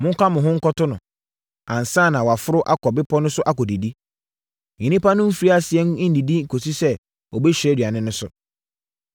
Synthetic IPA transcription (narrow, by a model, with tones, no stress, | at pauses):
mʊ̃˦ŋ˦kʰa˦mʊ̃˨ɦʊ̃˦ŋ̩˦kɔ˦tʊ˦nʊ̰̃˨ | ã˨n̩˨sãː˦˨nã˨wɔ˨a˨fʊ˦ɾʊ˦ʔa˦kʰɔ˨bɪ˦pʰɔ˦nʊ̃˦sʊ˦ʔa˦kɔ˨di˨di˦ | ɲĩ˨nĩ˦pa˦nʊ̃˦m̩˦fi˨ɾi˦a˦sɪ˨ɛ˦ŋ˦n̩˦di˨di˦ŋ̩˨kʰo˨si˦sɛ˦ | ɔ˨bɛ˦ɕᶣɛ˦dɥa˨nɪ̃˦nʊ̃˦sʊ̰˨